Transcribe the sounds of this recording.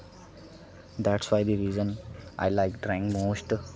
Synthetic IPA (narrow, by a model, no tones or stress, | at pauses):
d̪æʈsʋaɪd̪iɾiːzə̃nʔa̰ɪlaɪkɖɾɛ̃ŋkmoːsʈ